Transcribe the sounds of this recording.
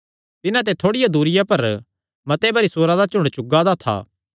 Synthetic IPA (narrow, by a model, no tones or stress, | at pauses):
t̪ɪnãt̪̬ɛt̪ʰoːɽɪjad̪uːɾɪjapɐɾ | mɐt̪ebɐɾisoːɾad̪at͡ʃʊ̃ɳɽt͡ʃʊɡad̪at̪ʰa̰ː